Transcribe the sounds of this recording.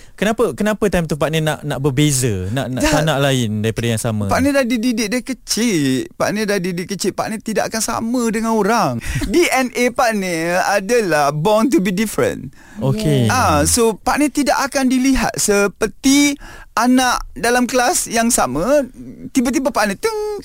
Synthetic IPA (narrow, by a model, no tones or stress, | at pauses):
kənapəkənapət̪ajmt̪upaʔnə̃naʔnaʔbərbezənaʔnaʔaanaʔlaɪndaɾipadajaŋsama̰paʔnə̃dadididɪʔ̚daikət͡ʃɪʔpaʔnə̃dadidɪʔkːət͡ʃɪt̪ʔ̪̚pa̰ʔnə̃t̪idaʔakansa̰mədəŋanoɾaŋdiʔɛnʔepaʔnəadəlahbɔnt̪̬ubidifɾə̰̃n | okeasopaʔnə̃t̪idaʔakandiliɦa̰t̪̚səpərt̪ianaʔdalamkəlasjaŋsamət̪ibət̪̬ibapaʔnə̃t̪u